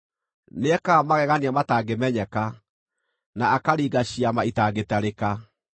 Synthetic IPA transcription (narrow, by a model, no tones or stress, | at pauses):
neɛkaːmaɣɛɣaniamataːɡemɛɲɛka | naːkaɾiːɡaɕiamaitaːɡetaɾeka